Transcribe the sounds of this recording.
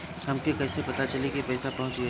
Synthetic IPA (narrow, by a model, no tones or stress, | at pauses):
ɦɐmkekɐɪsepɐt̪at͡ʃɐlikipɐɪsapɐɦʊ̃t͡ʃʊe